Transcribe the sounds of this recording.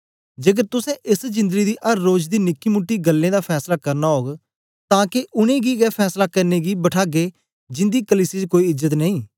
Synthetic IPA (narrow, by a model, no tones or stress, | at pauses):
d͡ʒeːk̬əɾt̪ʊsɛ̃ːʔɪsd͡ʒɪ̃nd̪əɡiːd̪iːʔəɾːoːd͡ʒd̪iːnɪkːiːmʊʈːiːɡəlːẽːd̪aːpʰɛːslaːkəɾnaːɦoːɡ | t̪ãːkeʔʊnẽːɡiːɡɛːpʰɛːslaːkəɾnẽːɡiːbəʈʰaːɡeː | d͡ʒɪ̃nd̪iːkəliːsiːt͡ʃkoːiɪzət̪nəĩː